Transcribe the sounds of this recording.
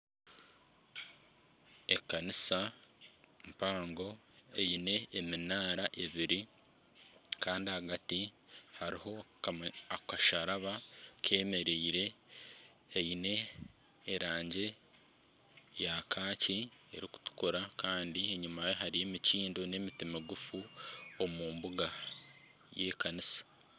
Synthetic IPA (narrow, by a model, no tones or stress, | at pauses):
ekanisa | mpaːŋɡo̞ | ejine̞ːminaːɾaʔe̞βiɾi | kaːndihaɡati | haɾiho̞ | akaʃaɾaβakʰe̞ːme̞ɾeiɾe̞ː | ine̞ː | ɾaːɲɟe̞ | jakʰaːciḛɾiku̥tu̥kuɾakaːndieɲumaje̞ɦaɾije̞miciːndo̞ne̞mitimiɡufuomuːmbuɡa | jeːkanisḁ